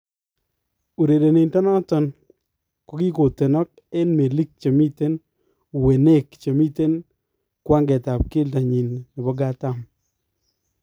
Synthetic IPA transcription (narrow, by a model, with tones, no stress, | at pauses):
u˨ɾe˨de˨ne˨ntɔ˦nɔ˦tɔ˦n | kɔ˨˦ki˦ko˨te˨nɔ˦k̚e˦nme˨li˦k̚t͡ʃa˨mi˦te˦n˨ | we˨ne˦˨kt͡ʃo˨mi˦te˦n | kwa˦ŋɡɛ˨ta˨p̚ke˦lta˨ɲi˨n˨ɲɔ˨bɔ˦ɡa˦ta˦m